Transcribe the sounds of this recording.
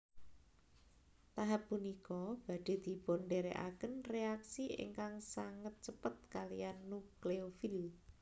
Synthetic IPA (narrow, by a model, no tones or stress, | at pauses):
t̪aɦapːunikɔb̥a̤ɖ̥e̤d̪̥i̤bonɖeɾeʔa̰kənreaksiʔḛŋkaŋsaŋət̪̚t͡ʃəpət̪̚kalijanːukleofil